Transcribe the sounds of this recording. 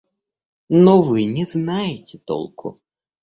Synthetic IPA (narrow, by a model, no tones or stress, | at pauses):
nɔvɨnʲɛznajɪtʲɪt̪ɔ̰lˠkʰʊ̰